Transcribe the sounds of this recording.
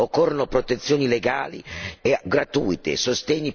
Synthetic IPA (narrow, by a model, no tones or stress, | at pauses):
okːɔrːonopɾot̪et̪sːjoːnileɡaːlḭeɡɾat̪uːjt̪ḛsost̪ɛɲːi